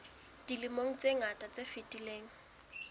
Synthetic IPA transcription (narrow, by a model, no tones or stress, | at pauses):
d̥ilɪmoŋ̩t͡sʼeŋatʼat͡sefɪtʼileːŋ̩